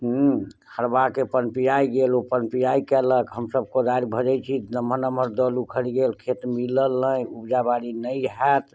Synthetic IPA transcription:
ɦhəɾbakepənpijajɡelopənpijaikɛləkɦəmsəbʱkod̪aɾibʱəd͡ʒət͡ʃʰinəmənəməɾd̪əlukʰəɾiɡelkʰet̪miləlːə̃ubd͡ʒabaɾinəjɦɛt̪ʰ

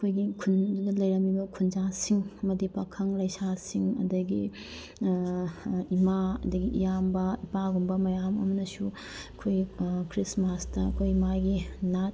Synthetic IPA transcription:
ɐkʰojɡikʰundudɐlɐjɾɐmibɐkʰund͡ʒasiŋɐmɐdipakʰɐŋlɐjsasiŋɐ̰dɐɡi | imaɐ̰dɐɡiʔḭjambɐipaɡumbɐmɐjamɐmɐnɐsu | ɐkʰojkɾismastɐɐ̰kʰojmajɡinat̚

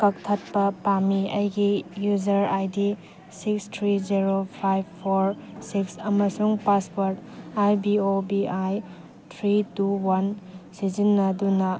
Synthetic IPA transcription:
kɐk̚tʰɐt̚pɐpamiɐjɡijuzɐɾajdi | sikstʰɾiziɾopʰajbpʰːoɾsiksɐmɐsuŋpaspoɾtajbiobiaj | t̪ʰɾituwansizinːɐdunɐ

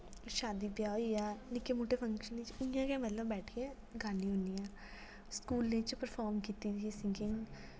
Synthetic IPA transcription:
ʃaːd̪ibjaːjanɪkːemoːʈefʰɐ̃ŋkʃənẽt͡ʃɪjãkẽmɐt̪ləbbɛːʈʰke | ɡaːniɦʊnijãː | skuːlnẽt͡ʃpəɾfʰɔːɾmkiːt̪it̪ʰisɪ̃ŋkɪ̃ŋ

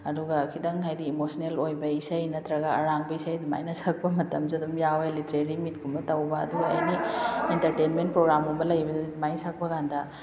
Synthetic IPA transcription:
ɐd̪uɡɐkʰidɐŋɦajdiemosɐnelojbɐisɐjnɐt̪ɾɐɡɐɐ̰ɾaŋbɐisɐjd̪ima̰jnɐsɐk̚pɐmɐtɐmziɐd̪umjawelitɾeɾimit̚ɡʰumbɐtɐwbɐɐ̰d̪uɡɐɐ̰jnientɐɾtenment̚pɾoɡɾamumbɐlɐjbɐdɐdidimajnsɐk̚pɐkandɐ

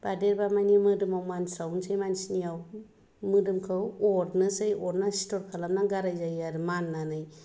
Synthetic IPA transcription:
b̥adeɾbamajnimɯdɯmawmansawnsʰɯjmansinijaw | mɯdɯmkʰɯwɔɾnɯsɯjɔɾnasi̥tʰɔɾkʰalamnaɡaɾajzajaɾɯmanːanɯj

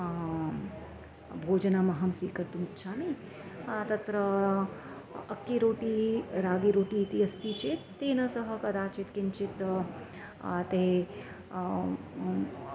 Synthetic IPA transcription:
bʱoːd͡ʒɐnamɐɦɐmsʋiːkəɾt̪umitːʃʰaːni | t̪ɐt̪ɾə | kːiɾoːʈiɾaːɡiɾoːʈiːt̪iɐst̪it͡ʃet̪ːeːnɐsɐɦɐkɐd̪aːt͡ʃit̪kɪnt͡ʃit̪ | t̪e

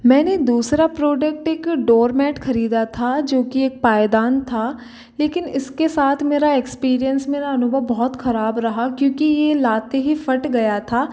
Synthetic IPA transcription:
mɛ̃ːned̪uːsɾapɾoːɖək̚ʈeːkɖoːɾmɛːʈxɐɾiːd̪at̪ʰad͡ʒoːkieːk̚paːjd̪aːnt̪ʰaː | leːkɪnɪskesaːt̪ʰmeːɾaekspiːɾijənsmeːɾaɐnʊbəʋbɔɦt̪xɐɾaːbɾɐɦakjõːkijelaːt̪eɦifɐʈɡɐjat̪ʰaː

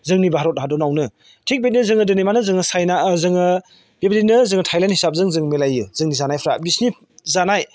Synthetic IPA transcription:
zɯŋnibaɦaɾɔt̚ɦadɔnawnɯ | tʰik̚bet̚nɯzɯŋɯdɯnejmanɯzɯŋɯsajnazɯŋɯ | b̥ebdinɯzɯŋɯtʰajlanthisap̚zɯŋzɯŋmelajɯzɯŋnizanajpʰɾabisni | zanaj

